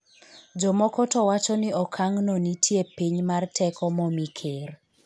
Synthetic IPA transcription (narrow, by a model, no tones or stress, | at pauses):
d͡ʒɔmɔkɔtɔwat͡ʃɔnɪɔkʰaŋnonitʰjepiɲmartʰɛkɔmɔmikʰer